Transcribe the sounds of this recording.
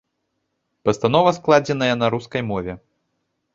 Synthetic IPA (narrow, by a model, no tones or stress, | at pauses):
pɐst̪anɔvɐsklˠad͡zʲɛnɐjɐnɐɾuskɐjmɔvʲɛ